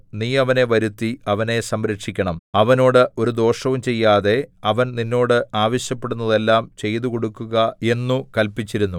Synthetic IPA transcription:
niːɐʋɐne̞ʋɐɾut̪ːiɐʋɐne̞sɐmɾɐkʂikʲːɐɳɐmɐʋɐno̞ːɽɨo̞ɾud̪o̞ːʂɐʋumt͡ɕe̞jːaːðe̞ɐʋɐnninːo̞ːɽɨaːʋɐɕjɐpːe̞ɽunːɐðe̞lːaːmt͡ɕe̞jt̪uko̞ɽukːuɣɐe̞nːukɐlpit͡ɕːiɾunːu

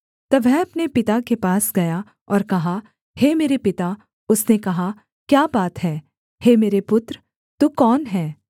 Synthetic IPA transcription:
t̪ɐʋɛɦɐpnepɪt̪akepaːsɡɐja | ɔːɾkɐɦa | hemeːɾepɪt̪a | ʊsnekɐɦa | kjaːbaːt̪ɦɛː | hemeːɾepʊt̪ɾə | t̪uːkɔːnɦɛː

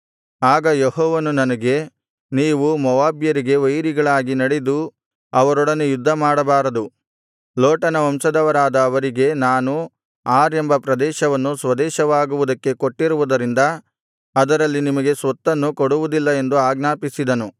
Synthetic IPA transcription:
aːɡɐjehɔːʋɐnunɐnɐɡe̞ | niːʋumɔʋaːbjɐɾiɡe̞ʋɐjɾiɡɐɭaːɡinɐɽed̪u | ɐʋɐɾɔɽɐnejud̪ʱːɐmaːɽɐbaːɾɐd̪u | loːʈɐnɐɐmsɐd̪ɐʋɐɾaːd̪ɐːʋɐɾiɡe̞naːnu | aːɾe̞mbɐpɾɐd̪ɛːʃɐʋɐnːusʋɐd̪ɛːʃɐʋaːɡuʋud̪ɐkːe̞ko̞ʈːiɾuʋud̪ɐɾind̪ɐ | ɐd̪ɐɾɐlːinimɐɡe̞sʋɐt̪ːɐnːukoɽuʋud̪ilːɐe̞nd̪uaːɡnaːpisid̪ɐnu

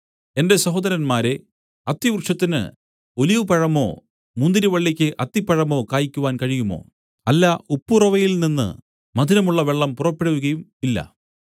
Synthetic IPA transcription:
e̞nde̞sɐɦoːd̪ɐɾɐnmaːɾe̞ | ɐt̪ːjɐʋurʂɐt̪ːinɨ̰ | o̞liʋɨpɐɻɐmo̞̰ː | mund̪iɾiʋɐɭːikʲːɨʔɐt̪ːipːɐɻɐmo̞ːkaːjikʲːuʋaːnkɐɻijumo̞̰ː | ɐlːaupːurɐʋɐjilninːɨ̰ | mɐd̪ʱinɐmuɭːɐʋeɭːɐmpurɐpːiɽɐʋuɣɐjumilːɐ̰

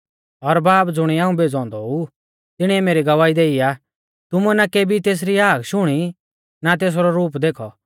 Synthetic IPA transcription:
ɔɾbaːpd͡zʊɽ̃iãːũbeːd͡zɔ̃ːnd̪ɔu | t̪ɪɽ̃iɛmeːɾiɡɐʋaːid̪eːija | t̪ʊmuɛnakeːbʱit̪eːs̬ɾiaːkʃʊɽ̃i | nat̪̬eːs̬ɾɔɾuːpd̪eːkʰɔ

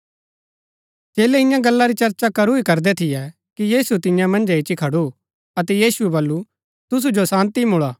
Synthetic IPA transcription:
t͡ʃeːlɛɪ̃jãɡɐlːaɾit͡ʃɐɾt͡ʃakɐɾuikɐɾd̪ɛt̪ʰɪjɛ | kijiːsut̪ɪjãmɐ̃nd͡ʒɛɪt͡ʃikʰɐɽu | ɐt̪ɛjiːsuɛbɐlːu | t̪ʊs̬ud͡ʒosãːnt̪imʊɭaː

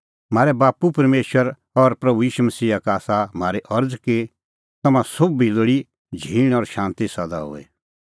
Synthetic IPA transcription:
m̤aːɾɛbaːpupɐɾmeːʃwəɾ | ɔɾpɾɐbujiːʃumɐsiːakaːsam̤aːɾeʔɐɾd͡zki | t̪ɐmãsobiloɽi | d͡ʒʱiːɽ̃ɔɾʃãːnt̪isɐd̪a̰ɦo̰ːɛ̰

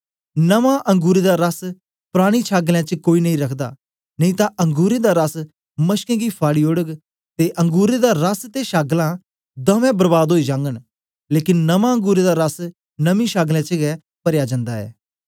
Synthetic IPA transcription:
nɐmãʔɐ̃ŋɡuːɾed̪aɾɐs | pɾaːɽ̃it͡ʃʰaːɡlɛ̃t͡ʃəkoːinɐĩɾɐkʰd̪a̰ː | nɐ̃ĩːt̪aʔɐ̃ŋɡuːɾed̪aɾɐs | mɐʃkɛ̃ːɡipʰaːɽiːoɽəɡ | t̪eʔɐ̃ŋɡuːɾed̪aɾɐst̪eʃaːɡlã | d̪ɐ̃ʋɛ̃bəɾbaːd̪ɦoːid͡ʒãːŋɡəɽ̃ | leːkɪnːɐmãə̃ŋɡuːɾed̪aɾɐs | nɐmĩʃaːɡlɛ̃t͡ʃəɡɛ | pɐɾjad͡ʒə̃nd̪aɛ̰ː

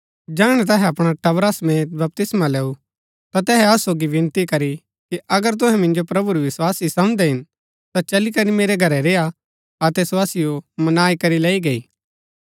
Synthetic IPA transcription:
d͡ʒaːɽ̃ɛt̪̬ɐɦɛɐpɽ̃aʈɐbɾasmeːt̪̚bɐp̚t̪ɪsmaleːu | t̪at̪ɛːɦɛɐsoːɡiʋɪ̃nt̪ikɐɾi | kiʔɐɡəɾt̪̬ʊ̃ɦɛ̃mɪ̃nd͡ʒopɾɐbuɾiʋɪswaːsisɐ̃md̪ɛɦɪn | t̪at͡ʃɐlikɐɾimeːɾɛɡʱɐɾɛɾeːa | ɐt̪ɛɪswaːsijomɐnaːikɐɾileːiɡɐiː

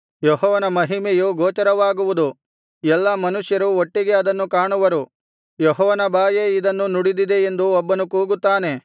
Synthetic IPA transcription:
jɔɦɔːʋɐnɐmɐɦimejuɡoːt͡ʃɐɾɐʋaːɡuʋud̪u | jɛlːɐmɐnuʂjɐɾuoʈːiɡe̞ɐd̪ɐnːukaːɳuʋɐɾu | jɔɦɔːʋɐnɐbʱaːjeid̪ɐnːunuɽid̪id̪e̞end̪uɔbːɐnukuːɡut̪ːaːne̞

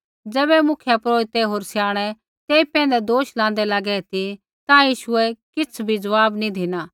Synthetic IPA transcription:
d͡zɛːbɛmʊkʰjapɾoːɪt̪ɛɦoːɾsjaːɽ̃ɛ | t̪eːipɛ̃ːnd̪ɛd̪oːʃlãːnd̪ɛlaɡɛt̪ʰi | t̪ãjiːʃʊɛkɪt͡sʰbʱid͡zɐʋaːbnĩd̪ʱɪnaː

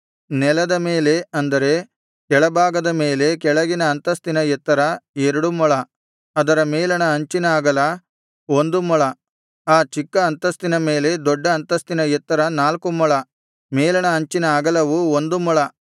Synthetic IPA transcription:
nɛlɐd̪ɐme̞ːle̞ɐnd̪ɐɾe̞ | kɛɭɐbʱaːɡɐd̪ɐme̞ːle̞kɛɭɐɡinɐːnt̪ɐst̪inɐjɛt̪ːɐɾɐɛɾɐɽumɔɭɐ | ɐd̪ɐɾɐmeːlɐɳɐɐɲt͡ʃinaːɡɐlɐ | o̞nd̪umɔɭɐ | aːt͡ʃikːɐːnt̪ɐst̪inɐme̞ːle̞d̪ɔɖːɐːnt̪ɐst̪inɐjɛt̪ːɐɾɐnaːlkumɔɭɐ | meːlɐɳɐɐɲt͡ʃinɐaːɡɐlɐʋuond̪umɔɭɐ

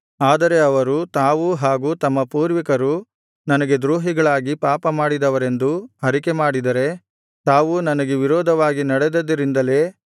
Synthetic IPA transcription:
aːd̪ɐɾe̞ɐʋɐɾut̪aːʋuɦaːɡuːt̪ɐmːɐpuːɾʋikɐɾu | nɐnɐɡe̞d̪ɾuːɦiɡɐɭaːɡipaːpɐmaːɽid̪ɐʋɐɾe̞nd̪uɦɐɾike̞maːɽid̪ɐɾe̞ | t̪aːʋunɐnɐɡeʋiɾɔːd̪ʱɐʋaːɡinɐɽed̪ɐd̪ɐɾind̪ɐle̞ː

